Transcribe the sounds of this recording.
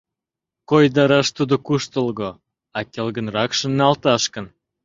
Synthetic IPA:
kojd̪ɑɾɑʃt̪ud̪okuʃt̪əlɣo | ɑkelɣə̆nrɑkʃə̆nːɑlt̪ɑʃkə̆n

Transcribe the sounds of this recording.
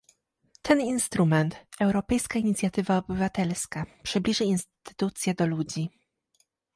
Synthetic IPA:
t̪ʰɛninst̪ɾumɛnt̪ɛwɾɔpɛjskaiɲit̪sʲjat̪ɘvaɔbɘvat̪ɛlskapʂɘblʲiʐɘinst̪t̪ɘ̥t̪ut̪sʲjɛd̪ɔlud͡ʑi

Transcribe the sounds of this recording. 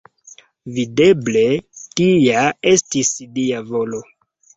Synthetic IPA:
vide̞ble̞tijae̞stisliavo̞lo̞

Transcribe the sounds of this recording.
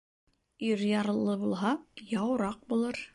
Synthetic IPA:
iɾjɑɾɤ̆lˠːɤbulˠɦɑjɑwɾɑq̚bulˠɤɾ

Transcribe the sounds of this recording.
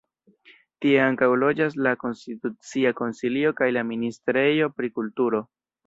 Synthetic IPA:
tie̞aŋkawlo̞d͡ʒas̬lako̞nstitut͡siako̞nsilio̞kajlaministɾe̞jo̞pɾikultuɾo̞

